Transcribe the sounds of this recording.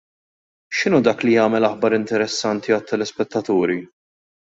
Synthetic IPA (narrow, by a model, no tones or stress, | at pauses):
ʃɪnuːd̪ɐːklijɐːmɛlɐħbɐɾɪnt̪ɛɾɛsːɐnt̪iɐt̪ːɐlɛspɛt̪ːɐt̪uːɾi